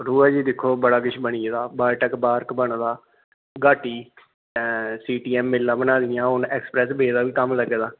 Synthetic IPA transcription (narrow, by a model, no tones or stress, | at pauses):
ɾuːɛːd͡ʒiːd̪ɪkʰːoːbəɽaːkɪt͡ʃʰbəɳ̃iːd̪aːbaːʈəkbaːɾkbəɳd̪aː | ɡaːʈiː | siːʈiːɛːmːɪlːãːbənaːd̪ɪjãːɦʊnɛːkspɾɛːsbeːd̪aːʋiːkəmləɡd̪aː